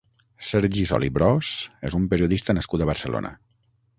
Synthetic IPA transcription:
sɛɾʒisɔ̰libɾɔsḛzumpəɾiuðist̪ənəskut̪əβəɾsəlo̰nʔə̰

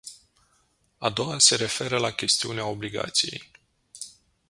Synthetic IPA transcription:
a̰d̪o̞wase̞ɾe̞fe̞ɾəlakʲe̞st̪iuneao̞bliɡa̰t̪sije̞̰j

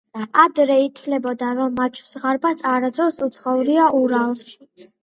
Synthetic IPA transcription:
ad̪ɾɛit̪ʰvlɛbɔd̪aɾɔmːat͡ʃʰsʁaɾbasaɾad̪ɾɔsut̪sʰχɔuliaʔuɾalˠs

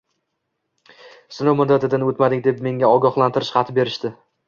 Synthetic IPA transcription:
sɪnowmʊd̪ːat̪ʰɪd̪anot̪mad̪ɪkʲd̪e̞pme̞ŋʲaɒɡʲɒχlˠant̪ɪɾɪ̥ʃqɑt̪ʰɪbe̞ɾɪʃt̪ɪ

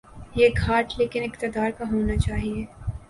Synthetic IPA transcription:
jeɡʱaːʈleːkɪnɪqt̪ɪd̪aːɾkaɦoːnat͡ʃaːɦieː

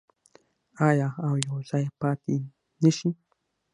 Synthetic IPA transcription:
ajaawjosajapat̪i | niʃi

